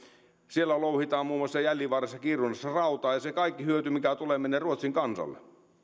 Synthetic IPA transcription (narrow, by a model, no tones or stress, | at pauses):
sielːælouhit̪ɑːmmuːmoosːɑjælːiʋɑresːɑkirunːesːɑrɑut̪ɑːjɑsekɑikːihyøt̪ymikæt̪ulemenːeruot̪siŋkɑnsɑ̰lːḛ